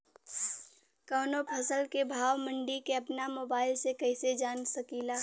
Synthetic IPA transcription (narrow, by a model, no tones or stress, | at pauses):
kəːnopʰɐsəlkebʱaːʋmə̃ɳɖikeɐpnamoːbaːɪlsekɛɪsed͡ʒaːnsəkiːlaː